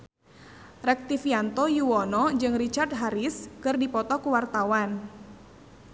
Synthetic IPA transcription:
rɛk̚t̪ifiant̪ɔjuwɔnɔd͡ʒɨŋrit͡ʃard̪̚ɦaɾɪskɨrdipɔt̪ɔkuwart̪awan

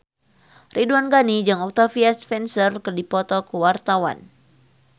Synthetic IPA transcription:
rʔiduanɡanid͡ʒaŋɔk̚t̪afiaspɛnsərkərdipɔt̪ɔkuwart̪awa̰n

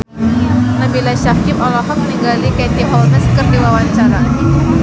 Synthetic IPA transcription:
nabilaʃakimɔlɔɦɔk̚məniŋɡalikɛt̪iʔɔlnɛskərdiwawaɲt͡ʃaɾa

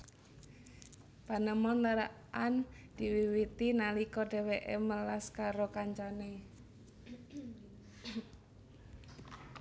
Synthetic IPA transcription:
panəmɔnləɾa | ʔand̪̥iwiwit̪inalikɔɖe̤weʔɛməlaskaɾokaɲt͡ʃane

